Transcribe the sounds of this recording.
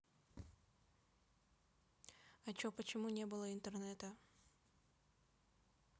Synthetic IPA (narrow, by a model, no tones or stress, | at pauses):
ɐt͡ɕopət͡ɕɪmunʲebɨlˠəɪnt̪ərnɛt̪ə